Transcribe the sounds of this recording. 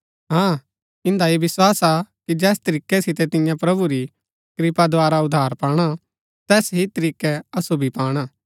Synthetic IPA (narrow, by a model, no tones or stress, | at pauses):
ɦãː | ɪ̃nd̪aeʋɪswaːsakid͡ʒɛːst̪ɐɾiːkːɛsɪt̪ɛt̪ɪ̃jãpɾɐbuɾi | kɾɪpad̪oaːɾaʊd̪ʱːaːɾpaːɽ̃a | t̪ɛːsɦit̪ɐɾiːkɛɐsubʱipaːɽ̃aː